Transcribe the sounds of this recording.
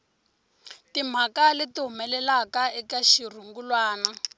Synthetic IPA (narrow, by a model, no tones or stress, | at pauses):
tim̤akalɪtiɦumɛlɛlakaɛkaʃir̤uŋɡulwaːna